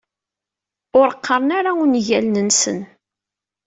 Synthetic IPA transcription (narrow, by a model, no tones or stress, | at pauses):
ʊɾəqʰːəɾˤənaɾaunʝælnənsə̰n